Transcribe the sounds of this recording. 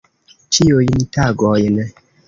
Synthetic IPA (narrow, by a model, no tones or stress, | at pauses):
t͡ʃiojinitaɡɔjɪnɛ